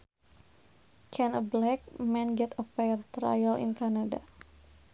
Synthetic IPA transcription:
kʰɛnəblɛk̚mɛ̃nɡɛt̪əfɛrt̪ɾa̰jəlɪ̰nkanada̰

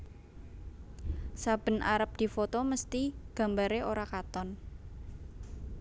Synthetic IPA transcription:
sab̥ə̤nʔaɾəp̚d̪̥i̤fot̪oməst̪iɡ̥ä̤mbaɾeoɾakat̪ɔn

